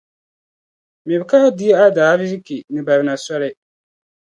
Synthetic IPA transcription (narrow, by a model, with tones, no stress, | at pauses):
mɛ˨bka˦di˦ɛ˦a˦daː˨˦vi˦zi˦ki˨nɨ˨ba˨βɪ˨na˨sɔ˦lɪ˦